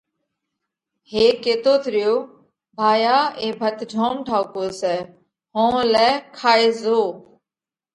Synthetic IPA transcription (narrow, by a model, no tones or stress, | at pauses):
heːkeːt̪oːt̪ʰɾɪjoː | bʱaːjaːeːbʱət̪d͡ʒʱoːmʈʰaːkoːsɛː | ɦõːlɛːkʰaːeːzoː